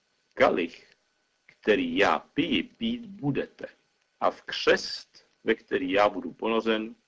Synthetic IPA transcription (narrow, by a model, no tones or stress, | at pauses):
kalɪx | kt̪ɛɾiːja̰ːpɪjɪpiːt̪budɛt̪ɛ | ʔafkr̝̥ɛst̪ | vɛkt̪ɛɾiːjaːbuduponozɛn